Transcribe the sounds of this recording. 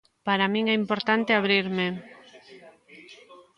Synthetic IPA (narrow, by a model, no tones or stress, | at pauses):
paɾamĩŋɛimpoɾt̪ant̪eaβɾiɾme